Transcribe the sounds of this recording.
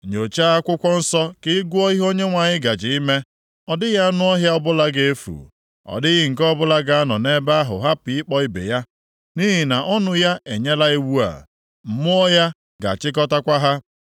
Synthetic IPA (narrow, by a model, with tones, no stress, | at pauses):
ɲo˨t͡ʃa˦a˦kʷʊ˦kʷɔ˦n̩˦sɔ˦kɪ˦ɡu˦o˦i˦ɦo˦ɲe˦ŋʷa˨ɲɪ˦ɡa˨d͡ʒɪ˨i˦me˦ | ɔ˨dɪ˦ja˦nʊ˦ɔ˦ɦja˦ɔ˦bʊ˦la˦ɡe˦e˦fṵ˨ | ɔ̰˨dɪ˦ɣɪ˦ŋ̩˨kɔ˦bʊ˦la˦ɡa˦a˦nɔ˨ne˦ba˦a˦ɦʊ̰˨ɦa˦pi˨ɪ˦k͡pɔ˦i˦bḛ˨ja˦ | ni˦ɦi˨na˨ʔɔ˦nʊ˦ja˦e˨ɲe˦la˦e˦wu˦a̰˨ | m̩˨mʊ˦ɔ˦ja˦ | ɡa̰˨t͡ʃɪ˦k̬ɔ˦ta˦kʷa˦ɦa˦